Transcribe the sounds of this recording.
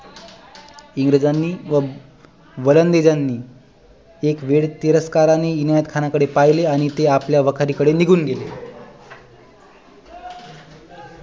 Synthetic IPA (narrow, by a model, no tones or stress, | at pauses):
iŋɡɾed͡zanːiːʋə | ʋələnd̪ed͡zanːiː | ekʋeɽt̪iɾəskaɾaneinajət̪kʰanakəɽepaɦileaɽ̃it̪eapljaʋəkʰaɾiːkəɽeniɡʱuːnɡele